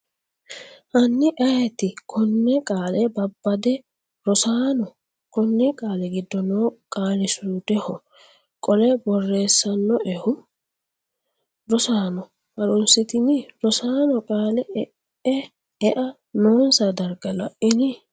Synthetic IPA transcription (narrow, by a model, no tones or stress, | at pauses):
ʔɐnːɪʔɐjɛt̪ɪkʰɔnːɛkʼaːlɛbɐbːɐd̪ɛ | ɾɔsaːnɔ | kɔnːɛkʼaːlɛɡɪd̪ːɔnoːkʼaːlɪsuːd̪ɛhɔ | kʼɔlɛbɔrːe̞ːsːɐnːɔʔɛhʊ | ɾɔsaːnɔ | hɐɾɔnsɪt̪ɪnɪɾɔsaːnɔkʼaːlɛ | ɛ | ɛʔɐ | noːnsɐd̪ɐɾɡɐlɐʔɪnɪ